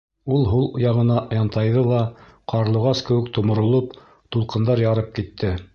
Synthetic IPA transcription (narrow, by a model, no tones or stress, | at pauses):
ulˠɦulˠŏjɑʁɤ̆nɑjɑnt̪ɑjðɤlˠɑqʰɑɾlˠɤ̆ʁɑskɘ̆wɘkt̪ŏmŏɾŏlˠɤp | t̪ulˠqɤ̆nd̪ɑɾjɑɾɤp̚kit̪ʰːɘ